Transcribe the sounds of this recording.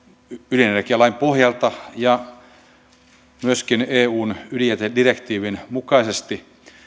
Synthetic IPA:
ylinjerkiælɑimpohjɑlt̪ɑjɑ | myøskineːuːnylijet̪edirekt̪iːʋinmukɑisest̪i

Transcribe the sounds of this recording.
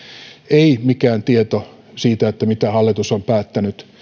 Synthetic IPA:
eimikæːnt̪iet̪o | siːt̪æet̪ːæmit̪æhɑlːit̪usompæːt̪ːænyt̪

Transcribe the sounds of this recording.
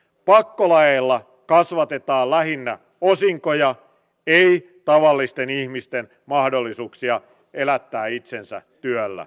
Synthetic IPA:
pɑkːolɑjeːlːɑ | kɑsʋɑt̪e̞t̪ɑːllæɦinːæ | osiŋkojɑ | ei | t̪ɑʋɑlːist̪enihmist̪en | mɑhdolːisuːksiɑ | elæt̪ːæːit̪sensæ̰t̪yølːæ̰

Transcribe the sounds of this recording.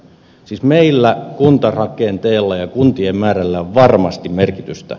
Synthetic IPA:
siːsmeilːækunt̪ɑrɑkent̪eːlːɑjɑkunt̪iemmæːrælːæoʋʋɑrmɑst̪immerkit̪yst̪æ̰

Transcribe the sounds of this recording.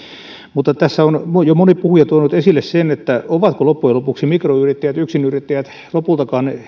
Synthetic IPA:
mut̪ːˑɑt̪æsːæonmojomonippuhujɑt̪uonut̪esilːessenet̪ːæoʋɑt̪kolopːujelopuksimikroyrit̪ːæjæt̪yksinyrit̪ːæjæt̪ | lopult̪ɑkɑːne

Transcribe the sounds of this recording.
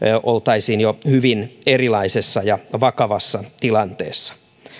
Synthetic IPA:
ʔolt̪ɑisiːnjohyʋinerilɑisesːɑjɑʋɑkɑʋɑsːɑt̪ilɑnt̪ḛːsːɑ̥

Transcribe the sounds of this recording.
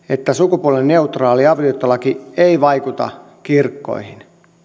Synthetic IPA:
et̪ːæsukupuolenneut̪rɑːliɑʋiot̪ːɑlɑkieiʋɑikut̪ɑ̰ | kirkːo̰ihin

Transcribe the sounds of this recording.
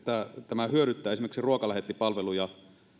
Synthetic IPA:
t̪æt̪æmæhyøɾyt̪ːæːesimerksiruokɑlæhet̪ːipɑlʋelujɑ

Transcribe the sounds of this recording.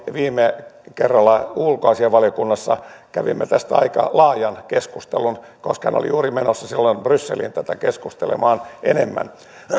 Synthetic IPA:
ʋiːmːekerːɑlːɑulkoɑsieʋʋɑliokunːɑsːɑkæʋḭmːet̪æst̪æɑ̰ikɑ̰lɑːjɑnkeskust̪elun | koskhæ̰no̰lḭjuːrimenosːɑsilːonb̥rysːelḭnt̪æt̪ækeskust̪elḛmɑːnʔenemːæ̰n

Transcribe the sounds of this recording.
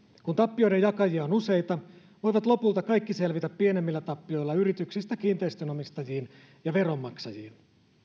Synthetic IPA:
kunt̪ɑpːio̞jde̞jɑkɑjiɑonuse̞jt̪ɑ | ʋo̞jʋɑt̪lo̞pult̪ɑkɑjkːise̞lʋit̪æpːie̞nemːilːæt̪ɑpːio̞jlːɑyɾit̪yksist̪ækiːnt̪eist̪øno̞mist̪ɑjiːn | jɑʋe̞ɾo̞mːɑksɑjiːn

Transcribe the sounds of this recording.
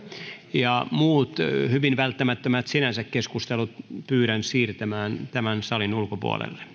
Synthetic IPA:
jɑmuːt̪hyʋinʋælt̪ːæmæt̪ːømæt̪sinænsækkeskust̪elut̪̚pyːɾænsiːrt̪æmæːnt̪æmænsɑlinulkopṵo̰lḛlːe̥

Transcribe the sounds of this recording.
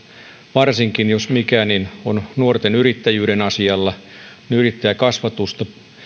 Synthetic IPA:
ʋɑrsiŋkinjosmikæːninonnuort̪enyɾit̪ːæjyːɾenɑsiɑlːɑneyrit̪ːæjækɑsʋɑt̪ust̪ɑ

